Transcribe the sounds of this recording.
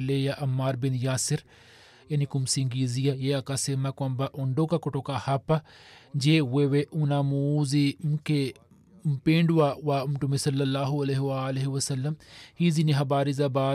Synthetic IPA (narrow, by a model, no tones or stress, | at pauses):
lejaʔɐmːaːɾbɪnjaːsɪɾ | jɐnikʊmsĩŋɡiːzijajeɐkasemakɐmbaʔʊɳɖokakʊʈoːkahapːad͡ʒeweweʔunamuːzimke | pẽːɳɖwaːwaːɐmʈumesɐlːɐlːaːɦuɐleɦwaleɦiwɐsɐlːɐmhiːziniɦɐbaːɾizabaː